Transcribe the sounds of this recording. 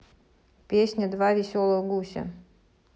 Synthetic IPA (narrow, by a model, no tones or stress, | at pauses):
pʲesʲnʲəd̪vavʲɪsʲolˠəɣɡusʲə̰